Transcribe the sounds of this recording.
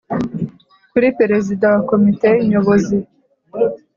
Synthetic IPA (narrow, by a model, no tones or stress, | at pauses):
kuɾipeɾezidãwakomiteiɲoβozi